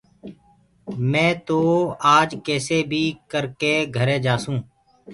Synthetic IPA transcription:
mɛ̃ːt̪oːaːd͡ʒkɛːseːbʱiːkəɾkeːɡʱəɾeːd͡ʒaːsũː

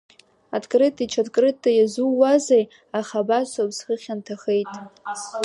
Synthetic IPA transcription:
adkʼrɨtʰʼit͡ʃʰadkʼrɨtʰʼːajazuwazej | aχabaʃʷabsχəχʲantʰaχejtʼ

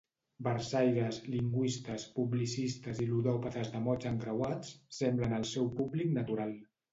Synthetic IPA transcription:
bəɾsajɾəzliŋɡwist̪əspublisist̪əziluðɔpət̪əzðəmɔt͡ʃəŋɡɾəwat͡sːɛmblənəlˠsɛwpubliknət̪uɾalˠ

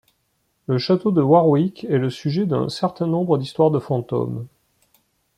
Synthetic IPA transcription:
ləʃat̪od̪əwaʁwikɛləsyʒɛd̪ɛ̰̃sɛʁt̪ɛ̃nɔ̃bʁəd̪ist̪waʁd̪əfɑ̃t̪o̰m

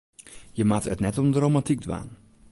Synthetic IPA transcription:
jəmatətnɛtomdrowmatik̚dʋa̰ːn

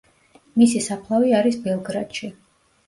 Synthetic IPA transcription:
misisapʰlˠaviaɾisbɛlˠɡɾad̪̥ʃi

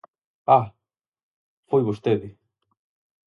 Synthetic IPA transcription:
a | fojβost̪eðɪ

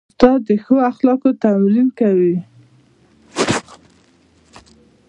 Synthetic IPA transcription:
t̪ɑd̪əxəoaxlɑkot̪amlilkawi

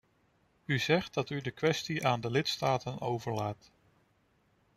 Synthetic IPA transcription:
yzɛχt̚dɑtydəkʋɛstiʔaːndəlɪtstaːtənowvəɹlaːt

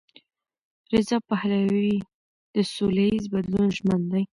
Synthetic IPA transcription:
ɾɪzɑpahlawi | d̪̥əsolaizbad̪lunʒmənd̪aj

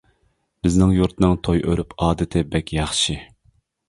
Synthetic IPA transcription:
b̥ɪznɪŋjuɾt̪ʰnɨŋt̪ʰojʔøɾypɑːd̪ɨt̪ʰɪbɛkʲʰjɑχʃi

